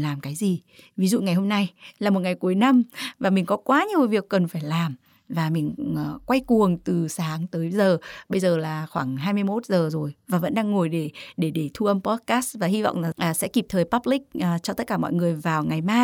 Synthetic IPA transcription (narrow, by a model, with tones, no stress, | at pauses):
laː˨˩mkaː˨˦jzi˨˩ | vi˨˦zṵ˧˨ŋa˨˩jho˧mna˧jlaː˨˩mo˨˩t̚ŋa˨˩jku˨˦jna˧mvaː˨˩mï˨˩ŋ̟kɔ˨˦kwaː˨˦ɲi˨˩əwvi˨˩əkːə˨˩nfaː˧˩jlaː˨˩m | vaː˨˩mï˨˩ŋ̟ː˨˩kwa˧jku˨˩əŋt̪ɨ˨˩saː˨˦ŋt̪əː˨˦jzəː˨˩ɓə˧jzəː˨˩laː˨˩xwaː˧˩ŋɦaː˧jmɨ˧əjmo˦˥t̚zəː˨˩zo˨˩jvaː˨˩və̰˧˥nɗaː˧ŋːo˨˩jɗe˧˩ɗe˧˩ɗe˧˩t̪ʰu˧ʔə˧mpɔ˦˥t̚kaː˦˥svaː˨˩hi˧va̰˧˨wŋ͡mlaː˨˩ʔaː˨˩sɛ̰˧˥ki˨˩p̚t̪ʰəː˨˩jpa˦˥p̚lï˦˥k̚ʔt͡ɕɔ˧t̪ə˦˥t̚kaː˧˩mɔ̰˧˨jŋɨ˨˩əjvaː˨˩wŋa˨˩jmaː˧